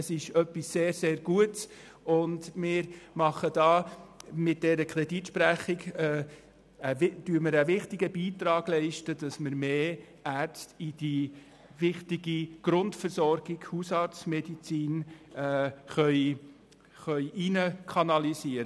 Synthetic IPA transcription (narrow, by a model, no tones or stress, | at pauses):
əsɪʃœpːisːeːɾseːɾɡ̥uəts | ʊndmɪːɾmɑχəd̥ɑːmɪt̚d̥ɛɾəkʰɾɛditʃpɾæχɪɡɛ | əd̥yːɾməɾəʋɪχtɪɡəbiːtɾɑːɡ̥lɛɪʃtəd̥ɑsməɾmeː | æɾt͡stid̥i | ʋɪχtɪɡiɡ̥ɾʊntfəɾsɔɾɡ̥ɪɡ̥husɑɾt͡smɛdit͡siːnː | χœʏ | χœʏʔinəkʰɑnɑlisiːəɾə